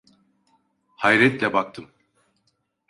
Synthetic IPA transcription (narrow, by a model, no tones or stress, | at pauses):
hajɾɛt̪lʲɛbak̚t̪ʰɯm